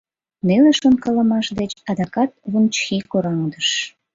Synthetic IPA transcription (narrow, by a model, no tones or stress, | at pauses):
neleʃonkɑlə̆mɑʃd̪et͡ɕɑd̪ɑkɑt̪̚βunt͡ɕxikoɾɑŋd̪əʃ